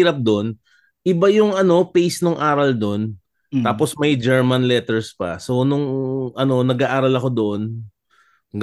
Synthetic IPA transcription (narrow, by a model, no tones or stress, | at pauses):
iːɾɐp̚d̪o̞n | ʔɪbajʊŋʔɐno̞pejsnʊŋʔaːɾɐld̪o̞n | t̪aːpo̞smɐjd͡ʒɛɹmɐnlɛt̪ɛɹspɐ̰so̞nʊŋʔɐno̞nɐɡaʔaːɾɐlɐko̞d̪oʔo̞n | ɡ